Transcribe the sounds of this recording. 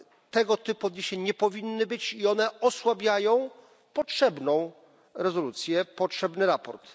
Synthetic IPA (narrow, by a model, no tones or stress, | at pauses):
t̪ɛɡɔt̪ɘpuɔd̪ɲeɕɛɲɛpɔvʲinːɘbɘt͡ɕiɔnɛɔswabʲjajɔ̃w̃ | pɔtʂɛbnɔ̃w̃ | ɾɛzɔlut̪sʲjɛpɔtʂɛbnɘɾapɔɾt̪